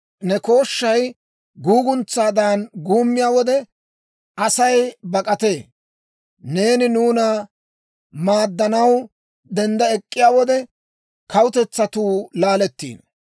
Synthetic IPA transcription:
nɛko̞ːʃːɐj | ɡuːɡʊnt͡sːaːd̪aːnɡuːmːɪjaːwɔd̪ɛ | ɐsɐjbɐkʼɐt̪e̞ː | ne̞ːnɪnuːnɐ | maːd̪ːɐnɐw | d̪ɛnd̪ɐɛkʼːɪjaːwɔd̪ɛ | kɐwʊt̪ɛt͡sːɐt̪uːlaːlɛt̪ːḭːn

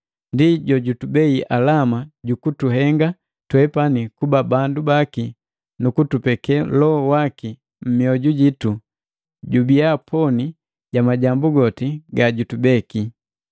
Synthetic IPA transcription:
ndiɟɔɟutubɛiʔalamaɟukutuɦɛŋɡa | twɛpanikubabandubaki | nukutupɛkɛlɔɔwaki | m̩miɔɟuɟitu | ɟubiapʰɔni | ɟ̥amaɟambuɡɔtiɡaɟutubɛki

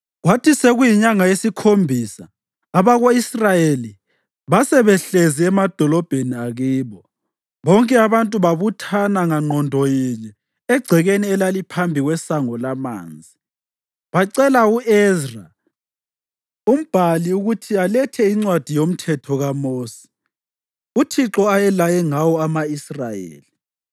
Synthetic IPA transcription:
ɣwatʰiseɣujiɲaŋajesikʰombʱisaː | βaɣoisrajeli | βasɛβɛɬeziɛmad̥ʱɔlɔb̥ʱeniaɣiːβɔ | βɔŋkʼɛaβantʼuβaβutʰanaŋaŋ͡ǃʱɔndʱɔjiɲɛ | ɛɡ͡ǀʱɛɣeniɛlalipʰambʱiɣwɛsaŋɔlama̰ːnd͡zʱi | βaǀɛlauʔɛzra | um̩b̥ʱaliuɣutʰialɛtʰɛiŋ͡ǀwad̥ʱijom̩tʰɛtʰɔɣamoːsi̥ | utʰiǁɔajɛlajɛŋawɔamaisrajḛːli

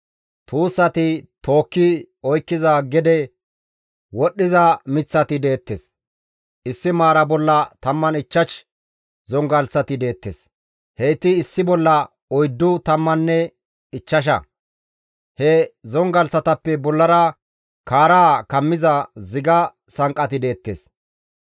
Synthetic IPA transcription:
t̪uːsːɐt̪ɪt̪o̞ːkːɪ | ɔjkːɪzɐɡɛd̪ɛ | wɔɗːɪzɐmɪt͡sːɐt̪ɪd̪e̞ːt̪ːes | ʔɪsːɪmaːɾɐbɔlːɐt̪ɐmːɐnɪt͡ʃːɐʃ | zɔŋɡɐlsɐt̪ɪd̪e̞ːt̪ːes | hɛjt̪ɪːsːɪbɔlːɐ | ɔjd̪ːʊt̪ɐmːɐnːɛ | ɪt͡ʃːɐʃ̬ɐ̰ | hɛzɔŋɡɐlsɐt̪ɐpːɛbɔlːɐɾɐ | kaːɾakɐmːɪzɐzɪɡɐ | sɐŋkʼɐt̪ɪd̪e̞ːt̪ːḛːs

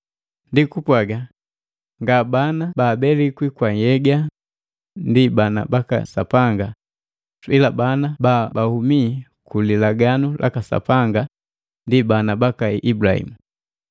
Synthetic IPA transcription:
ndikupwaɡa | ŋɡabanabaːbɛlikwikwajɛɡa | ndibana̰baka̰sa̰paŋɡa | swilabanababahumikulilaɡanulʔa̰kasa̰paŋɡa | ndibanabakaiʔibulahḭmu

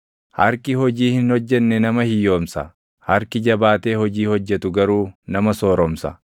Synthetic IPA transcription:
hɐɾkɪhɔd͡ʒiːhɪnhɔd͡ʒːɛnːɛnɐmɐhɪjo̞ːmsɐ̰ | hɐɾkɪd͡ʒɐbaːt̪e̞ːhɔd͡ʒiːhɔd͡ʒːɛt̪ʊɡɐɾuːnɐmɐsoːɾɔmsɐ̰

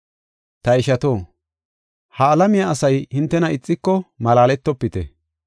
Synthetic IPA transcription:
t̪ɐɪʃɐt̪oː | hɐːlɐmɪjaɐsɐjhɪnt̪ːɛnɐɪt͡sʼːɪkːɔmɐlaːlɛt̪ːɔpːɪt̪ɛ̰

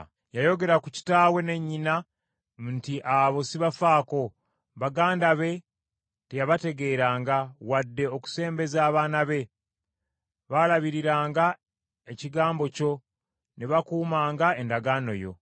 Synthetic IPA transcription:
jajo̞ɡe̞ɾakuci̥taːwe̞ne̞ɲːina | mntiʔaβo̞siβafaːko̞ | βaɡaːndaβe̞ | tejaβate̞ɡe̞ːɾaːŋɡawadːe̞oku̥se̞ːmbe̞zaːβaːnaβe̞ | βalaβiɾiɾaːŋɡa | eciɡaːmbo̞co̞ | neβakuːmaːŋɡae̞ndaɡaːno̞̰jo̞̰

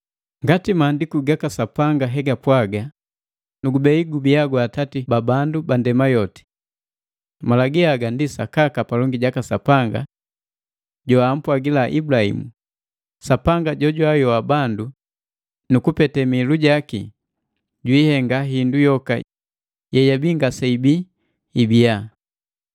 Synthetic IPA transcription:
ŋɡatimaːndikuɡakasapaŋɡaɦɛɡapwaɡa | nuɡubɛiɡubiaɡwatatibabandubandɛmajɔti̥ | malaɡiaɡandisa̰kakapalɔŋɡiɟakasapaŋɡa̰ | ɟɔam̩pwaɡilaʔibulahḭmu | sapaŋɡaɟɔɟwajɔabandu | nukupɛtɛmiluɟakḭ | ɟwihɛŋɡaɦindujɔka̰ | jɛjabiŋɡasaibiː | bia

